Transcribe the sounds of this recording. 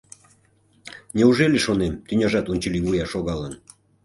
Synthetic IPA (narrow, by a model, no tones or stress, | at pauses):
nʲeuʒeleʃonemt̪ynʲɑʒɑt̪unʲt͡ɕəliβujɑʃoɣɑlən